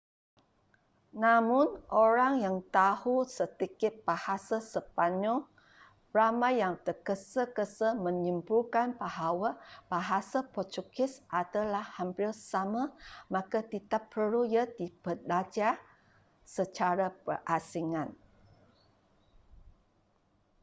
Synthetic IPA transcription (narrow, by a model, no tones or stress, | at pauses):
namʊnʔoɾaŋjaŋt̪ahusət̪ikɪt̪̚b̥ahasasəpaɲɔ | ramajjaŋt̪əkəsəkəsəmə̃ɲimpulkanbaɦawab̥aɦasapɔt͡ʃukɪsʔadalahhampɪlsamamakat̪it̪apːʰəlujadibəbad͡ʒa | sət͡ʃaɾapə̰rʔasiŋãn